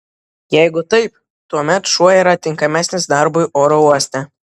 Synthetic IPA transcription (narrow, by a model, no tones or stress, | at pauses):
jɛɪɡʊt̪ɐɪp | t̪uɔmʲɛt̪ʃuɔjiːɾɐt̪ʲɪŋkɐmʲæːsʲnʲɪsd̪ɑɾbʊɪʔoːɾouɔsʲt̪ʲɛ